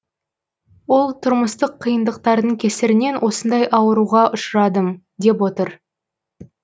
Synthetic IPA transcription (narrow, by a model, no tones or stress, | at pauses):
wo̞lˠt̪ʰʊɾməst̪əqʰːijənd̪əqt̪ɑɾd̪əɴkʲʰesɪɾɪne̞nwʔo̞sənd̪ɑjʔɑwəɾuʁɑʔʊʃəɾɑd̪əm | d̪e̞pwo̞t̪əɾ